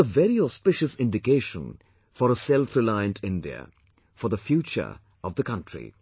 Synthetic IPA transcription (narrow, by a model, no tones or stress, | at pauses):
əvɛɾiɔspɪʃəsɪ̃nɖɪkeɪʃə̰̃n | fɔɾəsɛlˠfɾɪlaɪə̃ntʰɪ̃ndḭə̰ | fɔɾðəfjuːt͡ʃə̰˞ | ɔvðəkʰʌ̃ntɹḭ